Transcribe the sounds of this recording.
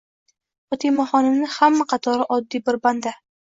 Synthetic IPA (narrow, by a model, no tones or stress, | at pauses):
ot̪ʰimɒχɒnɪmnɪhamːaqʰɑt̪ʰɒɾɪʔɒd̪ːijbɪɾband̪a